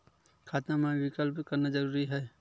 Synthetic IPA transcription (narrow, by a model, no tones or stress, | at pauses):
kʰaːt̪namãʋɪkəlpkəɾnad͡ʒəɾuːɾiɦɛː